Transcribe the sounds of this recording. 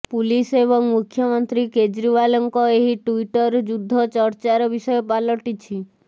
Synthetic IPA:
puliseβɔŋmukʰjɔmɔnt̪ɾiked͡ʒɾiβalɔŋkɔeɦiʈuiʈɔɾd͡ʒud̪ʱːɔt͡ʃɔɾt͡ʃaɾɔbisɔjɔpalɔʈit͡ʃʰi

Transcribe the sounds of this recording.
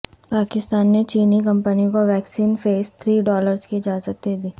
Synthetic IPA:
paːkɪst̪aːnːet͡ʃiːnikɐ̃mpənikoʋɛːksiːnfeːst̪ʰɾiːɖɔːləɾzkiɪd͡ʒaːzət̪̚d̪eːd̪iː

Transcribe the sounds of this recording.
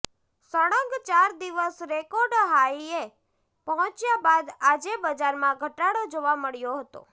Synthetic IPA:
səɽəɡt͡ʃaɾd̪iʋəsɾekoɾɖɦaie | pəɦɔ̃t͡ʃjabad̪ad͡ʒebəd͡ʒaɾmãɡʱəʈaɽod͡ʒoʋaməɭjoɦət̪o̰

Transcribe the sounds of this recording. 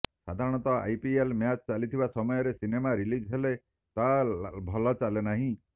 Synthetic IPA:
sa̰d̪ʱaɾɔɽ̃ɔt̪ɔa̰jpielmjat͡ʃt͡ʃalit̪ʰibasɔmɔjɔɾesinemaɾilid͡ʒɦele | t̪abʱɔlɔt͡ʃalenaɦĩ

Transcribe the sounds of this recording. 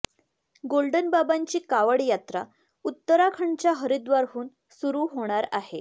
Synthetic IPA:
ɡolɖənbabaɲt͡ɕiːkaʋəɽjat̪ɾa | ut̪ːəɾakʰəɳt͡ɕjaɦəɾid̪ʋaɾɦuːn | suɾuːɦoɽ̃aɾaɦe

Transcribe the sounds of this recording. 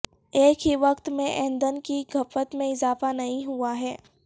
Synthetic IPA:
eːkɦiʋɐqt̪mẽʔẽːnd̪ənkiɡʱɐfət̪mẽɪzaːfanɐɦĩɦuaɦɛː

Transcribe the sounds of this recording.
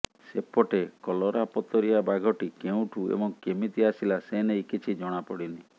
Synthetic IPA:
sepɔʈekɔlɔɾapɔt̪ɔɾiabaɡʱɔʈikeũʈʰuḛbɔŋkemit̪iasilaseneikit͡ʃʰid͡ʒɔɽ̃apɔɽini

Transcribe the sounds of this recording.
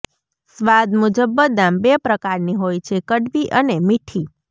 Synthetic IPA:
sʋad̪mʊd͡ʒəbːəd̪ambepɾəkaɾniɦojt͡ʃʰekəɖʋiʔənemiʈʰi

